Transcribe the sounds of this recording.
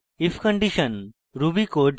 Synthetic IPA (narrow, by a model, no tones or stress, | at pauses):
ifkə̃ɳɖiʃən | ɾubikoɖ